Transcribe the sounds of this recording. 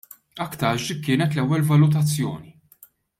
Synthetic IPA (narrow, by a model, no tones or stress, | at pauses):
ɐkːt̪ɐːʒkːɪːnɛt̪lɛwːɛlvɐlʊt̪̬ɐt͡sːjɔ̰ːni